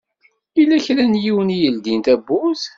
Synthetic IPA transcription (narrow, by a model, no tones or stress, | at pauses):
ilːæçlænjiwənijəld̪int̪æbːuz